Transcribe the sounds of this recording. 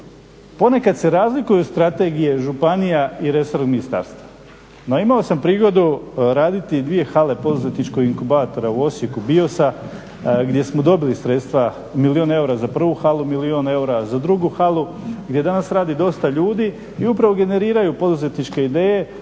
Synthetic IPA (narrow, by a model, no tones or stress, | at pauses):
po̞ne̞kad̪se̞ɾaːzlikujust̪ɾat̪e̞ɡije̞ʒupanijaiɾe̞soɾminist̪a̰ːɾst̪ʋa | noimaosampɾiːɡo̞d̪uɾaːd̪it̪id̪ʋije̞xale̞po̞d̪uze̞t̪nit͡ʃko̞ɡiŋkubaːt̪o̞ɾauo̞sje̞kubio̞sa | ɡd̪je̞smod̪o̞bilisɾe̞t̪st̪ʋa | milioneuɾazapr̩ʋuxalˠumilioːne̞uɾazad̪ɾuɡuxalˠu | ɡd̪je̞d̪anasɾaːd̪id̪o̞st̪aʎuːd̪i | iupɾaʋo̞ɡe̞ne̞ɾiːɾajupo̞d̪uze̞t̪nit͡ʃke̞id̪e̞ːje̞